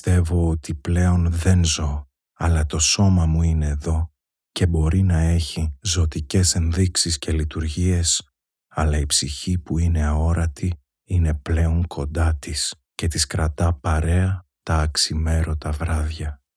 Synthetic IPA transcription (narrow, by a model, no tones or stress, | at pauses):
ist̪e̞vo̞ot̪iple̞o̞nðe̞nzo̞ | ɐlɐt̪o̞so̞mɐmuine̞ːðo̞ | ce̞bo̞ɾinɐe̞çizo̞t̪ice̞se̞nðiksiscʰe̞lit̪uɾʝie̞s | ɐlɐipsiçipuine̞ɐo̞ɾɐt̪i | ine̞ple̞o̞ŋkʰo̞nd̪ɐt̪is | ce̞t̪iskɾɐt̪ɐpɐɾe̞ɐt̪ɐːksime̞ɾo̞t̪ɐvɾɐðʝɐ